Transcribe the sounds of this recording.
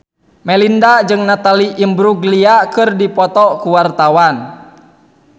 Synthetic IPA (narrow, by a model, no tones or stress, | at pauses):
mɛlindad͡ʒɨŋnat̪aliʔimbɾuɡliakɨrdipɔt̪ɔkuwart̪awan